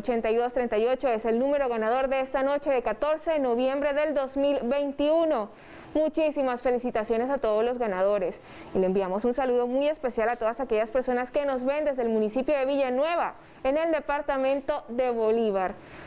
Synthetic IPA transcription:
ot͡ʃe̞nt̪ajðo̞st̪ɾe̞nt̪ajo̞t͡ʃo̞e̞se̞lnũme̞ɾo̞ɣanað̞o̞ɾðeest̪ano̞t͡ʃe̞ðe̞kat̪o̞ɾse̞ðeno̞βje̞mbɾe̞ðe̞ld̪o̞zmilbe̞jnt̪iuno̞ | mut͡ʃisimasfe̞lisit̪asjo̞nes̬at̪o̞ðozlo̞zɣanað̞o̞ɾe̞s | ileembiamo̞sunsaluðo̞muje̞spe̞sjalat̪o̞ðasake̞ʝaspe̞ɾso̞naske̞no̞zβe̞nd̪e̞zðelmũnisipjo̞ðe̞βiʝanwe̞βa | ene̞ld̪e̞paɾt̪amẽ̞nt̪o̞ðe̞βo̞liβaɾ

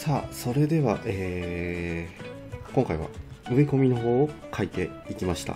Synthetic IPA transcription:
saːso̞ɾe̞d̪e̞βaʔeː | koŋkaiβ̞a̰ɯ̟e̞ko̞mʲino̞ɦo̞ːkʰait̪e̞ | ikʲimaɕi̥t̪a̰

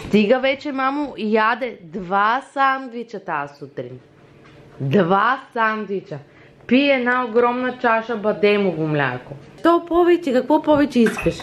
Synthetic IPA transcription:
st̪iɡavɛt͡ʃɛmamujad̪ɛd̪vasand̪vit͡ʃat̪aːsut̪ɾin | d̪vasand̪vit͡ʃa | piɛnaoɡɾɔmnat͡ʃaʃabad̪ɛmuɡumlʲa̰jkɔ | t̪ɔpɔvɛcɛkakvɔpɔvɛcɛispɛʃ

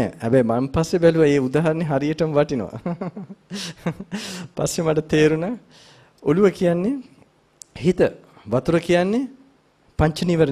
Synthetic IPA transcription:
ɛ̰hɛbɛjmampasːebæluʋaeːud̪aːɦɐɾəneɦaɾijəʈəmʋaʈino̰ʋa̰ | pa̰sːemaʈət̪eːɾuna | oluʋəkijanːe | hit̪ə | ʋat̪uɾəkijanːe | paɲt͡ʃəniʋəɾə

